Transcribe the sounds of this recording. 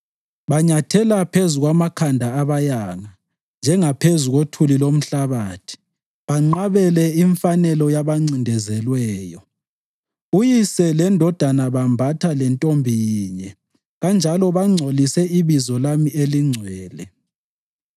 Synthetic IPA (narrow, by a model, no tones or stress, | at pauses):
βaɲatʰɛlapʰezuɣwamakʰandʱaːβajaŋa | nd͡ʒʱɛŋapʰezuɣotʰulilom̩ɬaβaːtʰi̥ | βaŋ͡ǀaβɛlɛiɱfanɛlɔjaβaŋ͡ǀindʱɛzɛlwɛːjɔ | ujisɛlɛndʱɔd̥ʱanaβambʱatʰalɛntʼombʱijiːɲɛ | ɣand͡ʒʱalɔβaŋ͡ǀʱolisɛiβizɔlamieliŋ͡ǀʱwɛːlɛ